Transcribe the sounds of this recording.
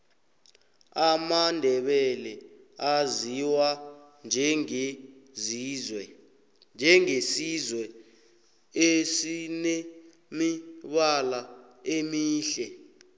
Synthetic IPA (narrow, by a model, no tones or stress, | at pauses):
amandʱɛɓɛlɛ | aziwand͡ʒʱɛezizwɛ | nd͡ʒʱɛŋesizwɛ | esinɛ | miɓala | emiːɬɛ